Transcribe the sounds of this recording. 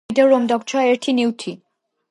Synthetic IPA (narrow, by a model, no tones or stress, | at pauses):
t̪eɾːomd̪ɔk̚t͡ɕʰɔeɾʈʰiniwt̪ʰi